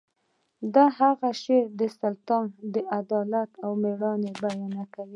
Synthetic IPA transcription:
d̪aɦaɣaʃeɾd̪əsalt̪ɑnd̪əʔad̪ɑlat̪awmeɾɑnebajɑnakawi

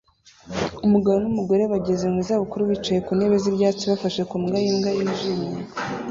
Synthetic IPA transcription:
umuɡaβo̞numuɡo̞ɾe̞βaɟezeŋizaβukuɾuβit͡ʃaje̞kune̞βe̞ziβɟaːt͡siβafaʃekumɡajimɡajiʒimɲe

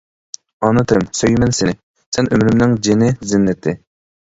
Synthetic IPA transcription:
ɑnɨt̪ʰɨɾɪmsøjmɛnsɪnɪ | sɛnʔømɾymnɪŋd͡ʒɪnɪzɪnːɪt̪ʰɪ

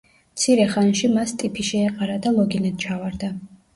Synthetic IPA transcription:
mt̪sʰiɾɛχanʃimast̪ʼipʰiʃɛːqʼaɾad̪alˠɔɡinɛd̪̥̚t͡ʃʰavaɾd̪a

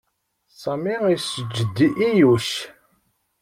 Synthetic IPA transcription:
sˤɑmiʁisəd͡ʒːəd̪ːiʔːjuʃ

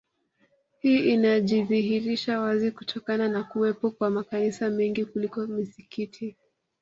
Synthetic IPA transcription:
hiːinaʄiðihiɾiʃawazikutʰɔkananakuwɛpɔkwamakanisamɛŋɡikulikɔmisikitʰi

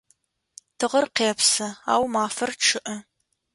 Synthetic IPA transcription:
tʰɨʁɐrqeːpsɐa̰ːwmaːfɐrʈ͡ʂʰɨʔɐ

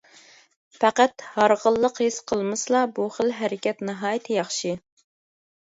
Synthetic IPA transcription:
pæqæt̪hɑɾʁəlˠːəqhisqʰəlˠmɨslˠɑbuχəlɦæɾɪkʲɛt̪nɨɦɑːjɪt̪ʰɪjɑχʃi

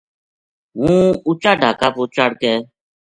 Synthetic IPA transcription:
ɦũːʊt͡ʃaːɖʱaːkaːpoːt͡ʃaɽkɛː

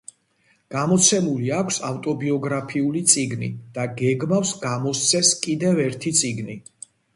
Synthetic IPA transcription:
ɡ̥amɔt̪sʰɛmuliakʷʰsaft̪ʼɔbiɔɡɾapʰiulit̪sʼiɡnḭd̪̥aɡɛɡmafsɡamɔst̪sʰɛskʼid̪ɛvɛɾt̪ʰit̪sʼiɡni

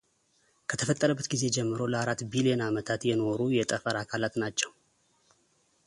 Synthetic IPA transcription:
kʰət̪ʰəfət̪ʼːəɾəbːət̪ɡize̞d͡ʒɛmːɨɾo̞ləaɾat̪ːbilienamət̪ʰat̪jɛno̞ɾujɛt̪ʼəfəɾakʰalat̪nat͡ʃːɛw

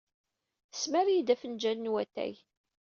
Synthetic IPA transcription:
əsmæɾjid̪æfənd͡ʒænːwæt̪ːæ̰j

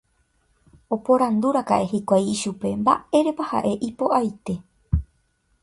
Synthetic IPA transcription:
o̞po̞ɾand̪uɾaka̰ʔe̞hikʷajiʃupe̞mba̰e̞ɾe̞paha̰ʔe̞ʔipo̞ʔajt̪e̞

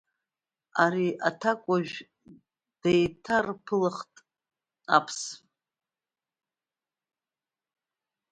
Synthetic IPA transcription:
aɾiʔatʰakʷʼaʒᶣ | d̥ejtʰarpʰɨlɨχtʼ | apʰs

